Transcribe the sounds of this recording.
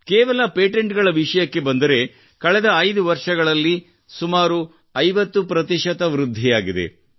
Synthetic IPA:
keːʋɐlɐpeːʈeɳʈɡɐɭɐʋiʂɐjɐkːe̞bɐnd̪ɐɾe̞ | kɐɭɛd̪ɐːjd̪uʋɐɾʂɐɡɐɭɐlːi | sumaːɾu | ɐjʋɐt̪ːupɾɐt̪̬iʃɐt̪ɐʋɾud̪ʱːijaːɡid̪e̞̰

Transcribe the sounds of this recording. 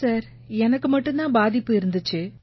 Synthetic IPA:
saːɾ | ɛnɐkːɯmɐʈːɯnt̪ãːbaːðɪpːɯɪɾɯnd̪ɯt͡ʃːɯ

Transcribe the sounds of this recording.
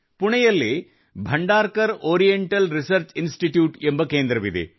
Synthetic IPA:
pʊɳɐjɐlːeː | bʱɐɳɖaːɾkɐɾoːɾijeɳʈɐlɾɪsɐɾt͡ʃɪnsʈiʈjuːʈɛmbɐkeːnd̪ɾɐʋiðḛː

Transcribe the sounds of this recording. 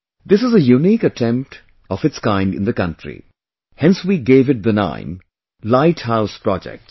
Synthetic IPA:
d̪ɪsɨzəjunikəʈʰɛ̃mp̚ʈ | ɔfɨʈskãɪ̃ɳɖɨ̰̃nd̪əkʌ̃nʈɾḭ | hɛ̃nswiɡeːvɨʈ̚d̪ənã̰ɪ̃m | laɪʈhaʊspɾɔd͡ʒɛ̰k̚ʈ

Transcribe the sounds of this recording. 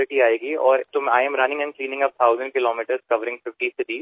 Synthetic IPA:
ɪʈiaːeːɡiɔːɾt̪ʊmaːjəmɾɐnɪ̃ŋɡɛ̃nkliːnɪ̃ŋɡɐp̚t̪ʰaːʊzə̃ɳɖ̚kɪloːmiːʈəɾszkɐʋəɾɪ̃ŋfɪfʈisɪd̪iː

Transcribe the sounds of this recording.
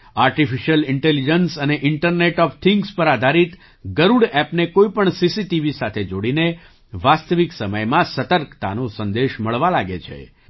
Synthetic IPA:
aɾʈifiʃəlɪɳʈelid͡ʒənsəneʔɪɳʈəɾneʈɔft̪ʰɪŋɡspəɾad̪ʱaɾit̪ | ɡəɾuɽɛpnekoipəɳsisiʈiʋisat̪ʰed͡ʒoɽine | ʋast̪əʋiksəməjmãsət̪əɾkt̪a̰nosənd̪eʃməɭʋalaɡet͡ʃʰḛ

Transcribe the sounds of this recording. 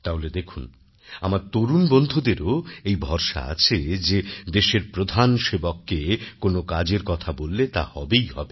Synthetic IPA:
t̪aɦoled̪ekʰun | a̰maɾt̪oɾunbond̪ʱud̪eɾoejbʱɔɾʃa̰a̰t͡ɕʰed͡ʑed̪eʃeɾpɾod̪ʱanʃebokːekonokad͡ʑeɾkɔt̪ʰabolːet̪a̰hɔbejhɔ̰be

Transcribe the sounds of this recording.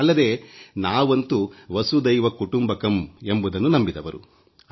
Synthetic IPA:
ɐlːɐd̪e̞ːnaːʋɐnt̪uʋɐsud̪ɐjʋɐkuʈumbɐkɐme̞mbud̪ɐnːunɐmbid̪ɐʋɐɾṵ

